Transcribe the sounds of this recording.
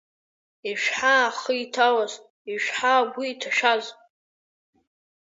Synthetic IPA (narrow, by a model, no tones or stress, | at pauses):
iʃʷᶣħaχəjtʰawaz | iʃʷᶣħaɡʷiːtʰaʃᶣaz